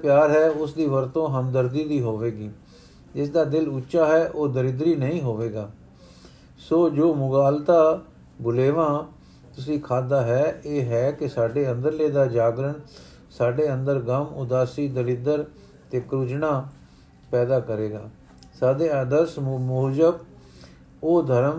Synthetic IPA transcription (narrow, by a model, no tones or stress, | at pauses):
pjaːɾɦɛːʊsd̪iːʋəɾt̪õːɦəmd̪əɾd̪iːd̪iːɦoːʋeːɡiː | d͡ʒɪs̬d̪aːd̪ɪlʊtːʃaːɦɛːʔoːd̪əlɪd̪ɾiːnəĩːɦoːʋeːɡaː | soːd͡ʒoːmʊɡaːlt̪aː | bʊleːʋãː | t̪ʊs̬ĩːkʰaːd̪aːɦɛːeːɦɛːkɪsaːɖeːənd̪əɾleːd̪aːd͡ʒaːɡɾən | saːɖeːənd̪əɾɡəmʊ̰d̪aːsiːd̪əlɪd̪əɾ | t̪eːkɾʊt͡ʃnaː | pɛːd̪aːkəɾeːɡaː | saːd̪eːəd̪əsmoːd͡ʒəb | oːd̪ʱəɾəm